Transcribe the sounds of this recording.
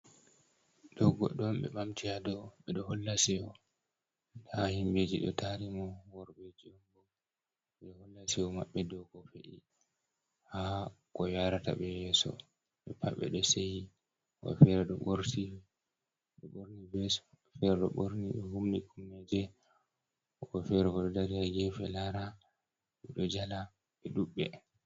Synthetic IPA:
d̥ɔɡɔ̰ɗɔmɓɛ̰ɓamtijadɔɓɛɗɔhɔlːasiɔ | ahimbed͡ʒiɗɔ̰tʰaɾimɔwɔɾbed͡ʒiɔnbɔɡ | ɛɗɔhɔlːasiɔma̰ɓːɛdɔɡɔfeʔḭ | hakɔjaɾata̰ɓɛjɛsɔ̰ | ɓɛpaɓɛ̰ɗɔseji | ʔɔ̰fɛɾɛɗɔɓoɾti | ɗɔɓoɾnibɛs | fɛɾɛɗɔ̰ɓoɾniɗɔhumnikʰumːɛd͡ʒɛ | ɔkɔfɛɾɛkɔɗɔdaɾiaɡɛfɛlaɾa | ɓɛɗɔd͡ʒala | ɓɛɗuɓːɛ

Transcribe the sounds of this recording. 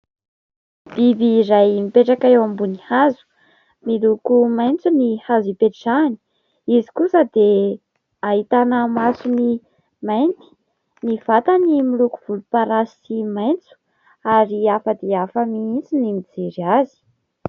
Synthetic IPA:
b̥ibiɾajmipeʈ͡ʂakaewambunihazu̥ | milukumajnt͡sunihazipeʈ͡ʂani̥ | izi̥kusəd̪e | aɦit̪anəmasuni | majnt̪i̥ | niv̥at̪ənimiluku̥v̥ulupaɾasimajnt͡su̥ | aɾiafəd̪eafəmiint͡sinimid͡zeɾiazi̥

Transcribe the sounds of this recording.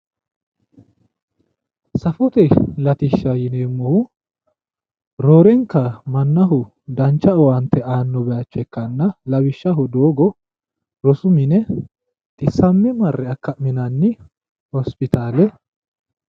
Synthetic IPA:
sɐfɔt̪ɛlɐt̪ɪʃːɐjɪneːmːɔhʊ | ɾoːɾɛŋkːɐmɐnːɐɦʊ | d̪ɐnt͡ʃːɐɔwɐnt̪ːɛʔaːnːɔbɛɐt͡ʃːɛkːɐnːɐlɐbɪʃːɐɦʊd̪oːɡɔ | ɾɔsʊmɪnɛ | t̪ʼɪsːɐmːɪmɐrːɛɐkːɐmɪnɐnːɪ | hɔspɪt̪aːlɛ

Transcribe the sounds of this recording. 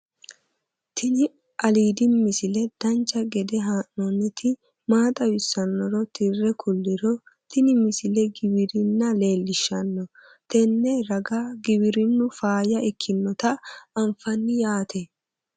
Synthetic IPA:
t̪ʰɪnɪ | ʔɐliːd̪ɪːɪsɪlɛd̪̥ɐnt͡ʃːɐɡɛd̪ɛɦaːnːɔnɛt̪ɪ | maːt̪ʼɐwɪsːɐnːɔɾɔt̪ʰɪrːɛkʰʊlːɪɾɔ | t̪ɪnɪmɪsɪlɛɡɪbɪɾɪnːɐle̞ːlːɪʃːɐnːɔ | t̪ɛnːɛɾɐɡaɡɪbɪɾɪnːʊfaːjɐɛkʰːɪnːɔt̪ɐɐmfɐnːɪjaːt̪ɛ

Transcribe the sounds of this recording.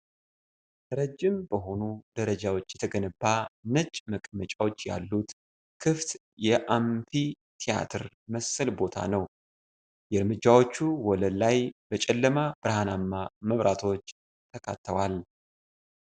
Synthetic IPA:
ɾəd͡ʒːɪmbəɦo̞nud̪əɾəd͡ʒawo̞t͡ʃːjɛt̪ʰəɡənɨbːanət͡ʃʼməkʼmət͡ʃʼawot͡ʃːja̰lːut̪ | kʰɨft̪ | jɛʔamfi | t̪ʰija̰t̪ʰɨɾ | məsːəlbo̞t̪ʰa̰nəw | jɛɾmɨd͡ʒːawo̞t͡ʃːuwɔləlajbət͡ʃʼɛlːəmabɨɾhanamːaməβɾʔat̪ʰo̞t͡ʃː | t̪ʰəkʰat̪ʰːəwal

